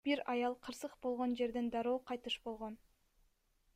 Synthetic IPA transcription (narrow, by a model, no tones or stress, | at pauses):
b̥iɾɑjɑlˠqʰɯɾsɯqbo̞lˠʁo̞nd͡ʒe̞ɾd̪end̪ɑɾo̞ːqʰɑjt̪ɯʃbo̞lˠʁo̞n